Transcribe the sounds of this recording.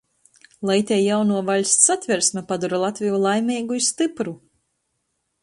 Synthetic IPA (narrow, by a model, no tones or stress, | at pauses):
lˠɛjt̪ʲɛjjawnuɔvalʲssat̪ʲvʲɛɾsʲmɛpad̪uɾalˠat̪ʲvʲijulˠajmʲiːɡuisst̪ɨpɾu